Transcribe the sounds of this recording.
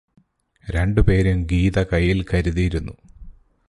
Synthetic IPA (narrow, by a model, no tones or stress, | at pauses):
ɾe̞ɳɖɨpe̞ːɾumɡiːðɐkɐjːilkɐɾuðijiɾunːu